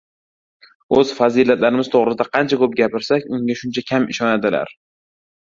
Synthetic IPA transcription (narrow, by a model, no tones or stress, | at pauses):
ɵz̥fazilat̪laɾɪmɪz̥t̪ʰoʁɾɪsɪd̪aqʰɑnt͡ʃʰakɵp̚ɡʲapɪɾsakʲʊŋɡʲaʃʊnt͡ʃʰakʲʰamɪ̰ʃɒnad̪ɪla̰ɾ